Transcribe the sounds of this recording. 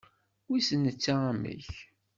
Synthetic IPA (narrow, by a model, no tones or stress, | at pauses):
wisənːət͡sːaamə̰ç